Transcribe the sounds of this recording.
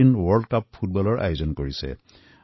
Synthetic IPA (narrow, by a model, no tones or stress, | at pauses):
inwɔɹdkapʰːut̚bɔlɔɹʔa̰jozɔnkoɹisɛ̰